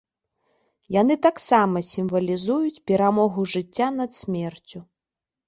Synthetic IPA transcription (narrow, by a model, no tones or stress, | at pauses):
janɨt̪aksamɐsʲimvɐlʲizujut͡sʲpʲɛɾamɔɣuʐɨt͡sʲːanɐt̪sʲmʲɛrt͡sʲu